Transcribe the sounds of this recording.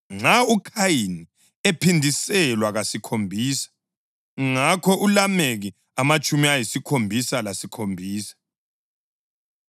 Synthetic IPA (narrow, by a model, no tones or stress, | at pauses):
ŋ͡ǀaukʰajini | epʰindʱisɛlwaɣasikʰombʱiːsḁ | ŋakʰɔʔulameɣi | amat͡ʃʼumiajisikʰombʱisalasikʰombʱiːsḁ